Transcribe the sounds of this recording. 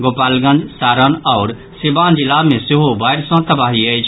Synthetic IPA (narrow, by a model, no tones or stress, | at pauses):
ɡoːpaːlɡə̃nd͡ʒsaːɾənɔːɾ | sɪbãːnd͡ʒɪlamẽsɪɦobaːɪɾsə̃t̪əbaːɦiəɪt͡ʃʰ